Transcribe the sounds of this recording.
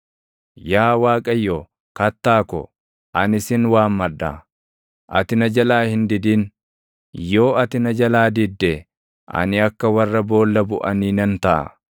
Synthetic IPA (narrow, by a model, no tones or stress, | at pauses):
jaːwaːkʼɐjːoː | kɐt̪ːaːkɔ̰ | ʔɐnɪsɪnwaːmːɐda̰ | ʔɐt̪ɪnɐd͡ʒɐlaːhɪnd̪ɪd̪ɪn | jo̞ːɐt̪ɪnɐd͡ʒɐlaːd̪ɪd̪ːɛ | ʔɐ̰nɪɐkːɐwɐrːɐbo̞ːlːɐbʊʔɐniːnɐnt̪ɐʔɐ̰